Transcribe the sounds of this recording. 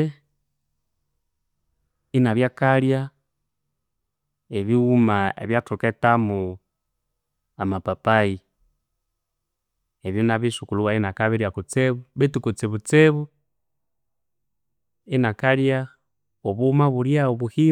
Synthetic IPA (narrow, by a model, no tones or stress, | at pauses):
inaβjakalja | eβiumaḛβjatuketamu | amapapai | eβjonaβiʃukuluwainakaβiɾjakut͡seβuβitukut͡seβut͡seβu | enakalja | oβumaβuɾjaoβuhi